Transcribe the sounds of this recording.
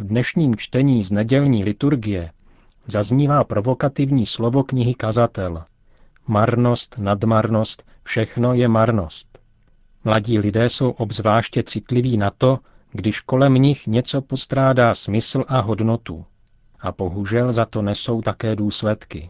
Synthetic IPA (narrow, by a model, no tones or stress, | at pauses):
vdnɛʃɲiːmt͡ʃt̪ɛɲiːznɛɟɛlɲiːlɪt̪uɾɡɪjɛ | zazɲiːvaːpɾo̞vo̞kat̪ɪvɲiːslo̞vo̞kɲɪɦɪkazat̪ɛl | maɾno̞st̪nadmaɾno̞st̪ | fʃɛxno̞jɛmaɾno̞st̪ | mlaɟiːlɪdɛːso̞wʔo̞bzvlaːʃcɛt͡sɪt̪lɪviːnat̪o̞ | ɡdɪʃko̞lɛmɲɪxɲɛt͡so̞po̞st̪ɾaːdaːsmɪsl̩ʔaɦo̞dno̞t̪ṵ | ʔab̥o̞ɦuʒɛlzat̪o̞nɛso̞wt̪akɛːduːslɛt̪kɪ̰